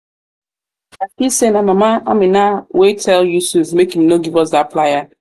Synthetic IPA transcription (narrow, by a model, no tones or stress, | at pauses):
akisenamamaa̰minawetʰɛljusuvmekimnoɡivɔs̬daplaja